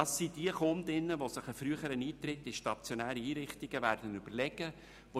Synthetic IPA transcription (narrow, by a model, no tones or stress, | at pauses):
ɑsːid̥iəχond̪ɪnːəʋosɪχəfɾyəχəɾəniːt̪ɾɪtːɪʃtɑt͡sjonæːɾiiːɾɪχtɪɡəvæːɾd̥ənʏb̥əɾlɛɡə | ʋo